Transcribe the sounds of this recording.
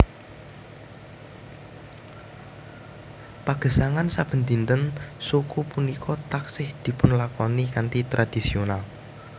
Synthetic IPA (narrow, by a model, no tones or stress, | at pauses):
paɡ̥ə̤saŋansab̥ə̤nt̪int̪ənsukupunikʰɔt̪aksɪhd̪̥i̤pʊnlakɔnikant̪it̪ɾad̪̥i̤sional